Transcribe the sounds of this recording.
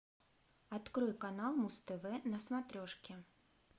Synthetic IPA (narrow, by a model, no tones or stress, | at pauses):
at̪kɾɔjkanalˠmust̪ɛvɛnɐsmat̪ɾʲɔʂkʲɪ